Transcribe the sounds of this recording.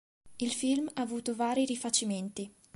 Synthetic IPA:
ilfilmaːvuːt̪ovaːɾiɾifat͡ʃiment̪i

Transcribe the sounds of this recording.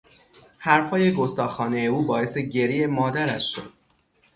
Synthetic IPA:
hæɾfhɒːjeɡost̪ɒːxɒːnejeuːbɒːe̞seɟe̞ɾiːemɒːd̪æɾæ̰ʃʃo̰d̪̥̚

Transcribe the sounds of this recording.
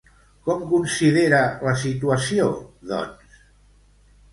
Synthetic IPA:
kɔmkunsiðeɾələsit̪uəsioðɔ̰ns

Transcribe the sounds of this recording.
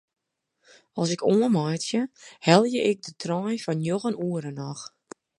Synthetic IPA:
ɔlˠsɪkoəmajtsjəhɛlˠjəʔɪk̚dətʰrɔjfɔnjoɣənuəɾənɔx

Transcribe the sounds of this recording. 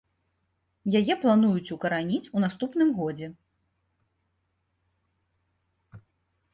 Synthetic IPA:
jajɛplˠanujut͡sʲukɐɾanʲit͡sʲunast̪upnɨmɣɔd͡zʲɛ

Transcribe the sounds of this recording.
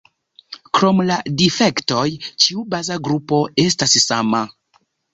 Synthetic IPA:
kɾo̞mladife̞kto̞jt͡ʃiubazaɡɾupo̞e̞stassama

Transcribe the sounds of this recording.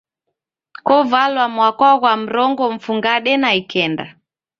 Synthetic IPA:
kɔvalwamwakwaɣwam̩ɾɔŋɡɔɱ̩fuŋɡaɗɛnaikɛnda̰

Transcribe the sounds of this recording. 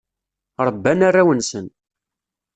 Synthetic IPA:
ɾˤəbːænarːawənsən

